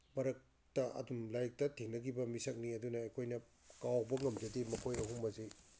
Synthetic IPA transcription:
mɐɾɐk̚ | tɐʔɐ̰dumlajk̚tɐtʰiŋnɐɡibɐmisɐk̚niɐdunɐːjkʰojnɐ | kawbɐŋɐmd͡ʒɐdimɐkʰojɐɦuŋmbɐzij

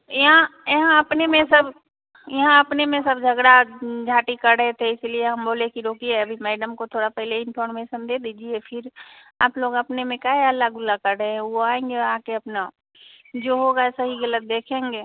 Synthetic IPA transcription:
jɐɦãjɐɦãɐpnemẽsɐb | jɐɦãɐpnemẽsəbd͡ʒʱɐɡɽad͡ʒʱaːʈikɐɾɾəɦet̪ʰeɪslieɦɐmboːlẽkiɾoːkiɛɐbʱimɛːɖəmkot̪ʰoːɽapɛɦleɪnpʰɔːɾmeːʃənd̪eːd̪iːd͡ʒiepʰɪɾ | a̰ːploːɡəpnemẽkaɦeəlːaɡʊlːakɐɾəɦeɦɛ̃ʋoaːẽːŋɡeʋaãkeɐpna | d͡ʒoːɦoːɡaɛsɐɦiɣɐlət̪̚d̪eːkʰẽːŋɡeː

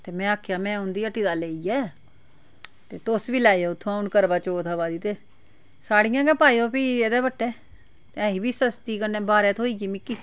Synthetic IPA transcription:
t̪eːmɛ̃ːaːkʰjaːmɛ̃ːʊnd̪iːəʈːiːd̪aːleːiːɛː | t̪eːt̪ʊsʋiːlaːieːʊt̪ʰːõãʊnkəɾbaːt͡ʃoːt̪ʰaːbaːd̪iːt̪eː | saːɽĩjãːkɛːpaːioːpiːeːd̪ɛːbəʈːɛː | t̪eəɦiːbiːsəst̪iːkənɛ̃ːbaːɾɛːt̪ʰɦoːiːɡiːmɪkːiː

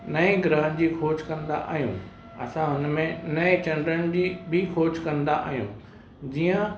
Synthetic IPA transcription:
nɐĩɡɾəɦənd͡ʑiːxoːt͡ɕkɐ̃nd̪a̰ʔa̰ːɦijṵ̃ | ɐ̰sãɦʊnmẽnɐet͡ɕɐ̃ɳɖɾəñd͡ʑiːbʱɪxʰoːt͡ɕkɐ̃nd̪aʔa̰ːɦijṵ̃ | d͡ʑiːə̃

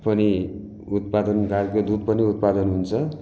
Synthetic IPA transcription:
pʌni | ut̪̚pad̪ʌnɡaɾkod̪ud̪̚pʌniut̪̚pad̪ʌnɦunt͡sʰʌ

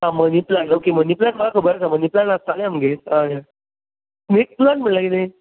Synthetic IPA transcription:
ãməniplanokeməniplaʈməɡakəbəɾat͡saməniplanast̪aleaməɡeɦãja | mek̚planʈm̤əɳlakit̪e

